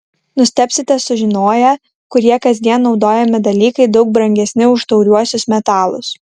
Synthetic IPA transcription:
nʊsʲt̪ʲɛːpʲsʲɪt̪ʲɛsʊʒʲɪnoːjɛ | kʊɾʲiɛkɐzʲd̪ʲiɛnːɒʊd̪oːjɛmʲɪd̪ɐlʲiːkɐɪd̪ɒʊk̚bɾɐŋʲɡʲɛsʲnʲɪʊʃt̪ɐʊɾʲuɔsʲʊsmʲɛt̪ɑːlˠʊ̰s

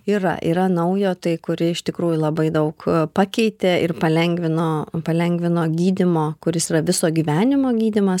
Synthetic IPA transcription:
iːɾɐ̰ʔḭːɾɐnɐʊjoːt̪ɐɪkʊɾʲɪɪʃt̪ʲɪkɾuːjʊlˠɐbɐɪd̪ɐʊkpɑkʲɛɪt̪ʲeːɪrpɐlʲɛŋʲɡʋʲɪnoːpɐlʲɛŋʲɡʋʲɪnoːɡʲiːd̪ʲɪmoːkʊɾʲɪsiːɾɐʋʲɪsoːɡʲiːʋʲæːnʲɪmoːɡʲiːd̪ʲɪmɐs

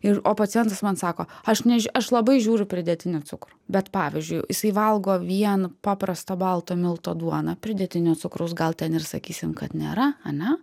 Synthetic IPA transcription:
ɪroːpɐtt͡s̪ʲɪjɛnt̪ɐsmɐnsɑːkoːɐʃnʲɛʒʲɐʃlˠɐbɐɪʒʲuːɾʲʊpʲɾʲɪd̪ʲɛt̪ʲɪnʲʊt̪sʊkɾʊbʲɛt̪pɑːʋʲɪzʲd͡ʒʲʊɪjɪsɐɪʋɐlˠɡoːʋʲiɛnpɑːpɾɐst̪ɐbɐlˠt̪oːmʲɪlˠt̪oːd̪uɔnɐpʲɾʲɪd̪ʲɛt̪ʲɪnʲoːt͡s̪ʊkɾʊsɡɐlˠt̪ʲɛnɪrsɐkʲiːsʲɪmkɐt̪nʲḛːɾɐɐnʲɛ

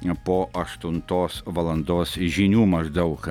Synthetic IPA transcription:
pɔʔɐʃt̪unt̪ɔsvɐlˠɐ̃nd̪ɔsʒinʲumɐʒd̪ɐwx

